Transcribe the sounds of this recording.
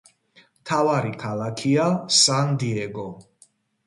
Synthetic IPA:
mt̪ʰavaɾikʰalakʰiasand̪iɛɡɔ

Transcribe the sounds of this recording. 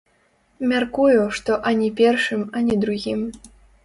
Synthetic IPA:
mʲarkujuʂt̪ɔʔanʲɛpʲɛrʂɨmanʲɛd̪ɾuɣʲim

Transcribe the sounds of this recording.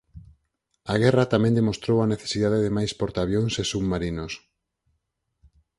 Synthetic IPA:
aɣɛrat̪amẽnd̪emost̪ɾowaneθe̥siðaðeðemajspoɾt̪aβjoŋsesubmaɾinos

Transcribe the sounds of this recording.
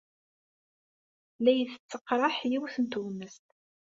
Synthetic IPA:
læjəθət͡sːəqːɾˤɑħjiwθənt̪uməst̪

